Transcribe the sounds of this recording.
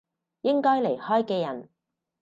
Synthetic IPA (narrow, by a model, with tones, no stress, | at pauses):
jɪ˥ŋkɔː˥jle˨˩jhɔː˥jkɛː˧jɐ̰˨˩n